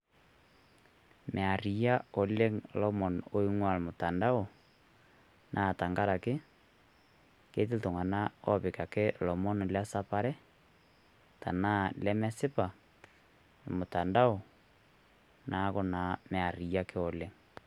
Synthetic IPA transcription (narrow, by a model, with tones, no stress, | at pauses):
mʔɛ˨a˨ɾi˨ja˦o˨le˦ŋlɔ˦mɔ˨no˦i˦ŋwa˨le˨mo˨ta˨nda˦o˨ | nʔa˨ta˨ŋɡa˦ɾa˨ke˦ | ke˦te˦to˨ŋa˨na˦ɔ˦βe˨ka˨ke˦lɔ˨mɔ˦n˨lja˦sa˦pa˦ɾɛ˦ | ta˨na˦lɛ˦mɛ˦se˦pa˨ | e˨mo˨ta˨nda˦o˨ | nʔa˨˦ɣo˦na˨me˨a˨ɾi˨ja˦kʰe˦o˨le˦ŋ